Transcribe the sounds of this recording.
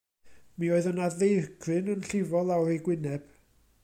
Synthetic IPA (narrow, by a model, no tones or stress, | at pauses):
mioːɨðənaðejrɡrɨnənɬɪvɔlˠawrejɡwɪnɛb̥